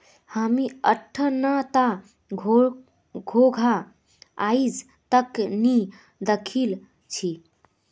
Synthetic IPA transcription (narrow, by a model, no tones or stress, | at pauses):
həmiəʈʰːənat̪a | ɡʱoɡʱa | aid͡ʒ | t̪əkni | d̪əkʰil | t͡ʃʰi